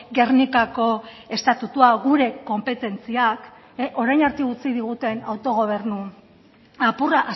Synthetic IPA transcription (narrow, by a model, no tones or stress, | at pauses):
ɡe̞rnikako̞ | e̞st̪at̪ut̪uaɣuɾe̞ko̞mpe̞t̪e̞nt͡siak | ʔo̞ɾajnaɾt̪iut͡siðiɣ̞ut̪e̞na̰wt̪o̞ɣ̞o̞β̞e̞rnu | apuraʔa